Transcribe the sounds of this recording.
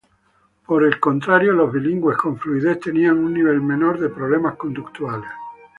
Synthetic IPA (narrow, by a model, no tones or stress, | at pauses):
poɾe̞lkont̪ɾaɾjolo̞zβiliŋɡwe̞skõ̞ɱfluiðeθt̪e̞niaŋunːiβ̞e̞lmẽ̞noɾðe̞pɾoβ̞le̞maskond̪ukt̪wales